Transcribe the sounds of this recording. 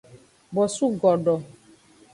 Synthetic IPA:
bɔ˨su˦ɡɔ˨ɖɔ˨

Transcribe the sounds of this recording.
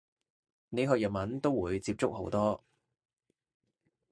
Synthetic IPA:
ne˨˧jɦœː˨k̚jɐ˨˩mɐ˨˥nt̪o˥wwuː˨˧jt͡siː˧p̚t͡sʊ˥k̚ho˨˥wt̪ɔː˥

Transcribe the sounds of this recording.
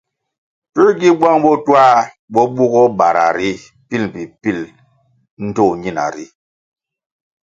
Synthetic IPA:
ti˦ɾɡi˦bwa˦ŋɓɔ˦twa˦˨ | ɓɔ˦ɓu˦ɡɔ˦ɓa˨ɾa̰˨ɾi˦ | pi˦˨lpi˨pi˦˨l | n̩˦to˦˨ɲi˦na̰˨ɾi˦

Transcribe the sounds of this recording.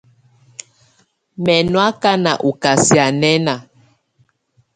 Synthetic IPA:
mɛ˨nwa˦ka˦na˨ʔu˨ka˨si˨a˨nɛ˦na˨

